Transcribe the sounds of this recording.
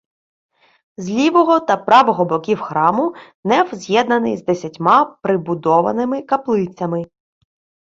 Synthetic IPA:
zʲlʲiʋɔɦɔt̪ɐpɾɑʋɔɦɔbɔkʲiwxɾɑmʊ | nɛwzʲjɛd̪nɐnɪ̰jzd̪esʲɐtʲmɑpɾɪbʊd̪ɔʋɐ̰nɪmɪkɐplˠɪt͡sʲɐmɪ

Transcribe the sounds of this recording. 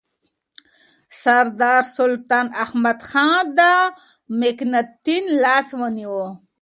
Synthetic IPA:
saɾd̪ɑːɾsʊlt̪ɑːnahmad̪xɑnd̪a | meknat̪ːinlɑswəniwo

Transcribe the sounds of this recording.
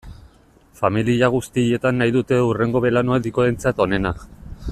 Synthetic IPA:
familiaɣ̞ust̪ie̞t̪anːajðut̪e̞ure̞ŋɡo̞βe̞lanoed̪ikoent͡sat̪o̞ne̞nak

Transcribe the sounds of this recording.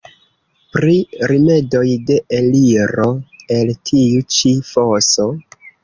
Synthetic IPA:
pɾiɾime̞do̞jde̞ʔeliɾo̞e̞ltʰiut͡ʃifo̞so̞

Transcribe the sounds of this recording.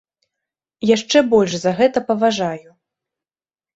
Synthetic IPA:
jaʂt͡ʂɛbɔlʲʂzɐɣɛt̪ɐpɐvaʐaju

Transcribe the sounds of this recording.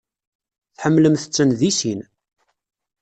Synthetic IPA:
θħəmːləmθə̥t͡sːənðisin

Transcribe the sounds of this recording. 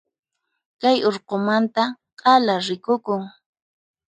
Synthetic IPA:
kajoɾqomant̪a | qʼɑlaɾɪkʊkʊŋ

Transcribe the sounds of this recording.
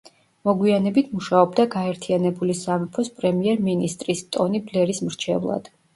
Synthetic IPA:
mɔɡwianɛbit̪ʰmuʃaɔb̚d̪aɡaɛɾt̪ʰianɛbulisamɛpʰɔspʼɾɛmiɛɾminist̪ʼɾist̪ʼɔniblɛɾismɾt͡ʃʰɛvlˠa̰d̪̥

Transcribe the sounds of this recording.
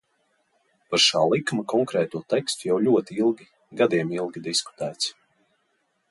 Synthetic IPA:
paɾʃaːlˠikmakɔŋkɾɛːt̪uɔt̪ɛkst̪ujawlʲuɔt̪iilˠɡʲi | ɡad̪iɛmilˠɡʲid̪isku̥t̪æːt̪s

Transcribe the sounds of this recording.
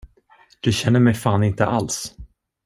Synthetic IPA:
d̪̥ɵɕɛnːəɾmɛjfaːnɪnt̪əʔals

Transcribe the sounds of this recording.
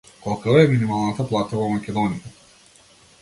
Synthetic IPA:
kɔlˠkaɛminimalˠnat̪aplˠat̪avɔmakʲɛd̪ɔnija

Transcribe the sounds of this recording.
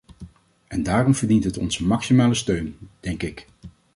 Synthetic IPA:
ʔɛndaːrɔmvəɹdintɦətɔ̰nzəmɑksimaːləstøɥnd̥ɛŋkɪk

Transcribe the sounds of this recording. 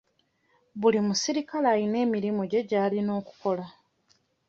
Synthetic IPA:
βulimusiɾikalajine̞ːmiɾimoɟe̞ɟaːlino̞ːku̥ko̞la

